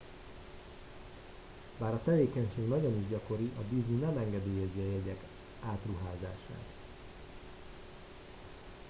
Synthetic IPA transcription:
baːɾɒt̪ɛveːkɛɲʃeːɡnɒɟoniʒɟɒko̞ɾiʔɒd̪izninɛmɛŋɡɛd̪eːjɛziɒjɛɟɛk | aːt̪ruɦaːza̰ːʃa̰ːt̪

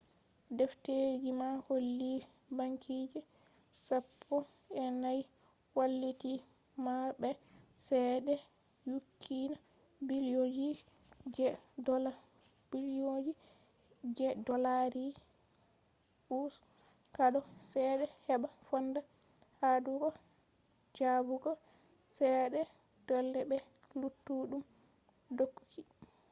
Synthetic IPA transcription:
dɛfted͡ʒimaholːi | baŋkʰid͡ʒɛ | sapʰːɔ | ɛnaj | walːiti | mabɛsɛɗɛ | jukʰːina | biliod͡ʒi | d͡ʒɛdɔla | b̥iljod͡ʒi | d͡ʒɛdɔlaɾi | ʔus | kaɗɔsɛɗɛhɛɓafɔnda | haduɡɔ | d͡ʒabuɡɔ | sɛɗɛ | d̥ɔlːɛbɛ | lutːuɗum | dokːu̥kʰːi

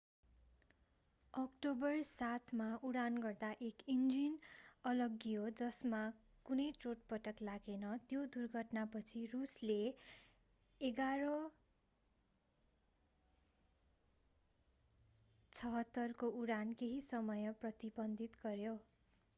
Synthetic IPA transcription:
ʌkʈobʌrsat̪ʰmauɽanɡʌrd̪aʔekind͡zinʌlʌɡijod͡zʌsma | kunʌjʈroʈpʌʈʌklaɡenʌt̪jod̪urɡʱʌʈnapʌt͡sʰirusle | eɡaɾʌ | t͡sʰʌɦʌt̪ːʌrkouɾankeɦisʌmʌjʌprʌt̪ibʌnd̪ʱit̪ɡʌrjo

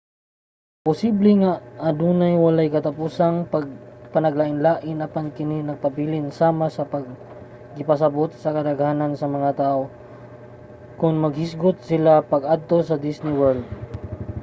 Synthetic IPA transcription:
pʊsiblɛŋaʔɐd̪uːnajwɐlajkɐt̪ɐpusaŋpɐɡ̚pɐnɐɡ̚laʔɪnlaːʔɪnɐpankɪninɐɡ̚pɐbilɪnsaːmasɐpɐɡ̚ː | ɪpɐs̬ɐbot̪̚sɐkɐd̪ɐɡhaːnansɐmɐŋat̪aːʔo | kʊnmɐɡhɪsɡʊt̪̚sɪlapɐɡad̪̚t̪o̞sɐd̪isnɪwɛɹld̪̚

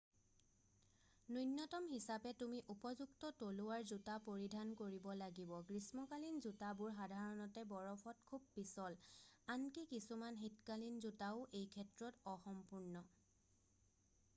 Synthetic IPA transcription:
nujnːɔtɔmɦisapɛtumiʔupɔzuktɔtolʊwaɹzutapoɹidʱankoɹibɔlaɡibɔɡɹismɔkalinzutabʊɹxadʱaɹɔnɔtɛbɔɹɔpʰɔtkʰub̚ːisɔlankikisumanɦitkalinzutaʊʔejkʰɛtɹɔtɔxɔmpuɹnɔ

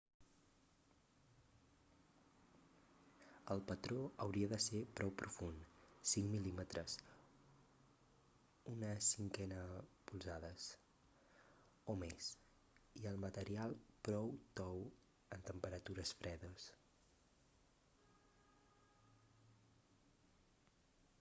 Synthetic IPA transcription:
əlˠpət̪ɾoəwɾiəðəsepɾʔɔwpɾʔufunsiŋmilimət̪ɾʔəs | unəsiŋkɛnəpulˠzaðəs | omes | iəlˠmət̪əɾialˠpɾɔwt̪ɔw | ənt̪əmpəɾət̪uɾəsfɾʔɛðəs

